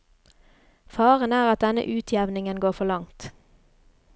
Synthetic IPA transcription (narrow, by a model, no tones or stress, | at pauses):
fɑːʁənæːʁɑt̪̚d̪ɛnə̰ʔʉːt̪ʰjɛʋnɪŋənɡoːfɔlɑŋt̪